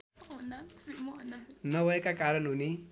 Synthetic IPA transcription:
nʌbʱʌekakaɾʌnɦuni

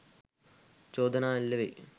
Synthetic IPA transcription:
t͡ɕoːd̪ɐnaːilːɐʋḛ

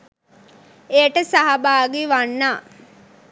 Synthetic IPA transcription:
ejəʈəsaɦabaːɡeʋanːaː

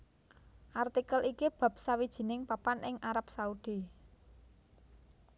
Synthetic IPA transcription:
ʔart̪ikəlikib̥a̤p̚sawid̥ʒ̥i̤nɪŋpapanɪŋʔaɾap̚saud̥i

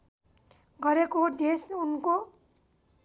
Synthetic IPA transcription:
ɡʌɾekod̪esunko

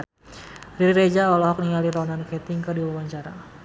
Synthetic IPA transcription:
riɾiɾed͡ʒaɔlɔɦɔk̚niŋaliɾɔnankɛt̪iŋkɨrdiwawaɲt͡ʃaɾa

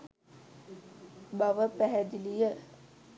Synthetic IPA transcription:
baʋəpæɦæd̪ilijə

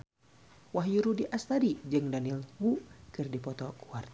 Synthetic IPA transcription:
waɦjuɾudiʔast̪aɾid͡ʒɨŋdanilwukɨrdipɔt̪ɔkuart̪

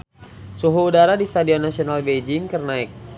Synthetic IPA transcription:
suɦuːdaɾadist̪adiɔnasionalbed͡ʒɪŋkərnaɪk̚

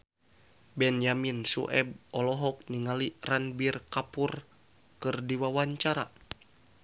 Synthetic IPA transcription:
bɛnjaminsṵʔɛ̰b̚ɔlɔɦɔk̚niŋaliranbirkapur | kɨrdiwawaɲt͡ʃaɾa̰

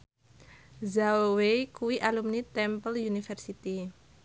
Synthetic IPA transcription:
zawekuwiʔalumnit̪ɛmpəljunifɛrsit̪i

